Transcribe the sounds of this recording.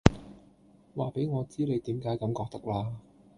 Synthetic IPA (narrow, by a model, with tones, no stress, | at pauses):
waː˨pe˨˥jŋɔː˨˧t͡siː˥le˨˧jt̪iː˨˥mkaː˨˥jkɐ˨˧˥mkɔː˧k̚t̪ɐ˥k̚laː˧